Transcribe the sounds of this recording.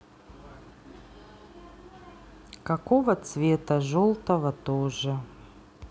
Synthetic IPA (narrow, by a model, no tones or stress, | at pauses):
kɐkovət̪svʲet̪əʐolˠt̪əvət̪oʐɨ